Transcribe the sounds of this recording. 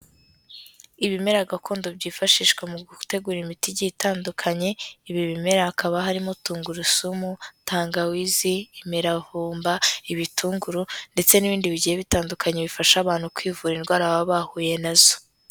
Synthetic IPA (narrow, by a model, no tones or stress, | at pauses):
iβime̞ɾaɡakʰo̞ːndobɟiːfaʃiːʃkwemuɡuute̞ɡuːɾimitiɟiːtaːndukʰaɲe̞iβiβime̞ɾaakʰaβaɦaɾimotuːŋɡuɾusumutʰaːŋɡawiziːmiɾahuːmbaiβitʰuːŋɡuɾunde̞t͡se̞niβiːndiβiɟijeβitaːndukʰaɲeβifaʃaβaːn̥hukwiːvuːɾinɡwaːɾaβaβaːhuːje̞nazo̥